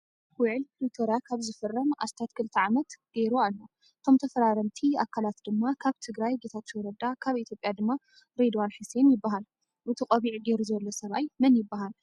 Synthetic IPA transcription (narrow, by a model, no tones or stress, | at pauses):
wʊʕlklut̪ʰoɾjakʰaβzɨfɨrːɐma̰st̪ʰat̪kʰɨlɨt̪ʰɐʕamɐt̪ɡ̥e̞ɾualːo | ʔɨt̪ʰo̞mt̪ʰɐfɐɾaɾɐnt̪ʰia̰kʰalat̪d̪ɨmːakʰaβt̪ʰɨɡɾajɡe̞t̪ʰat̪ːiwɔɾɐd̪akʰaβit̪jo̞pʼjad̪ɨmːa | ɾed̪wanħuse̞njɪbːaɦal | ʔɨt̪ʰɨqʼɐβiʕɡeɾuzɐlːosɐβajmɐnjɪbːaɦal